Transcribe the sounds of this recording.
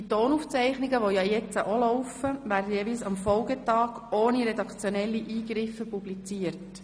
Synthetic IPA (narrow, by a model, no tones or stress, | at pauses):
itoːnuft͡sɛɪχnɪɡəʋojɑjɛt͡səʔolɔʊfəʋæːɾdəjɛʋilsɑmfɔlɡətɑːɡ̥ | oːniɾɛdɑkt͡sjɔnɛlːiʔiːɡɾɪfːəpublit͡siːəɾt